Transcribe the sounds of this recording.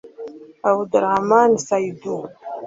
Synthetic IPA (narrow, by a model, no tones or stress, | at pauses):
awdɨramaːnsajdu